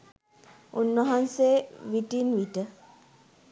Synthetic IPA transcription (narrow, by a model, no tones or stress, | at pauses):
unːʋəɦanseʋiʈinʋiʈə